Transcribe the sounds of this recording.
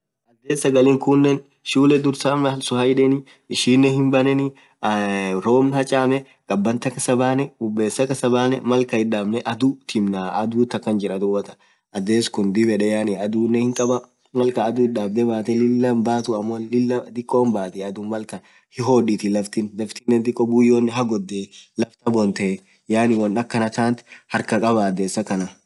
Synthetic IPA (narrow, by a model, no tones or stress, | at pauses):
ʔɐd̪ːeːsːɐɡɐlɪŋkʊnːɛn | ʃuːlɛd̪ʊɾsaːmɐlsʊhɐjᶑɛnɪ | ɪʃiːnːɛhɪmbɐnɛnɪ | ɾoːmnhɐt͡ʃʼaːmɛ | kʼɐbːɐnt̪ɐkɐsɐbaːnɛbʊbːe̞ːsːɐkɐsɐbaːnɛmɐlkɐhɪᶑaːbnɛʔɐd̪ʊt̪ʰɪmnaɐd̪uːt̪ːɐkːɐnd͡ʒɪɾɐd̪ʊwːɐt̪ɐ̥ | ʔɐd̪eːskʊnd̪ɪbɛᶑɛjaːnɪɐd̪uːnːɛhɪŋkʼɐbɐ | mɐlkɐːd̪ʊɪɗaːbd̪ɛbaːt̪ɛlɪlːɐmbaːt̪ʊɐmːolɪlːɐd̪ɪkʼːoːmbaːt̪ɛɐd̪ʊmɐlkɐ | hɪɦoːᶑit̪ɪlɐft̪ɪnlɐft̪ɪnːɛnt̪ɪkʼːɔbʊjːoːnːɪɦɐɡɔd̪ːelɐft̪ɐbɔnt̪ɛ | jaːnɪwɔnɐkːɐnɐt̪aːnt̪hɐɾkɐkʼɐbaːd̪eːsːɐkɐnɐ